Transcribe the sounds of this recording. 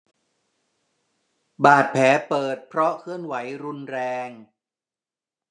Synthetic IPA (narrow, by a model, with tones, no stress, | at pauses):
baː˨˩t̪̚pʰɛː˩˦pɤː˨˩t̪̚pʰɾɔ˦˥kʰɯ˥˩ənwa˩˦jɾu˧nɾɛː˧ŋ